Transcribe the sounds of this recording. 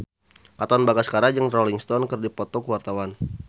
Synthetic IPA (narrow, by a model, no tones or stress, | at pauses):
kat̪aanbaɡasə̥kaɾad͡ʒəŋrɔliŋst̪ɔnkərdipɔt̪ɔkəwart̪awan